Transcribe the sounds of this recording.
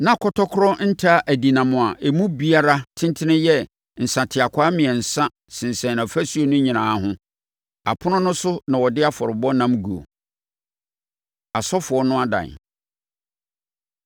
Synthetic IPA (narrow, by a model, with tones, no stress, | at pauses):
nã˦˨kʰɔ˦tʰɔ˦kʰɾɔ˦n̩˦tʰa˦ʔæ˨di˨nã˨mʊ̃˨a˨ʔe˨mũ˦bi˦a˦ɾa˦tʰɪ̃˦ntʰɪ˦nɪ̃˦jɛ˦ | n̩˨sã˨tʰɪ˨a˨kʷʰaː˦mɪ̃˨ɛ˨n̩˨sã˦ | sɪ̃˨n˨sɛ̃˨nã˨fæ˦su˦o˨˦nʊ̃˦ɲĩ˨nãː˨˦ɦʊ̃˦ | a̰˨pʰʊ˦nʊ̃˦nʊ̃˦sʊ˦nã˨wɔ˨dɪ˦a˦fɔ˨ɾɪ˨bɔ˦nã˦mɡu˨o̰˨ | a˨sɔ˦fʊ˨ɔ˦nʊ̃˦a˦dã̰˨n